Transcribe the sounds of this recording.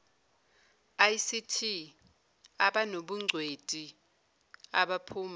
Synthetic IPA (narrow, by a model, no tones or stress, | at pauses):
ajsitʰi | aɓanoɓuŋ͡ǀʱwetʼi | aɓapʰuːma